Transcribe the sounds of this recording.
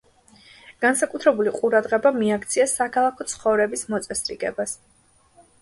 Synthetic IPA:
ɡ̥ansakʼut̪ʰɾɛbuliqʼuɾad̪ʁɛbamiakʰt̪sʰiasakʰalˠakʰɔt̪sʰχɔvɾɛbismɔt̪sʼɛsɾḭɡɛbas

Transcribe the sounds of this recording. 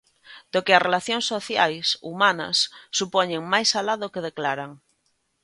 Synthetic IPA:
d̪̥okearelaθjoŋsːoθjajsumana̰sːupoɲẽŋmajsalaðokeð̞eklaɾaŋ

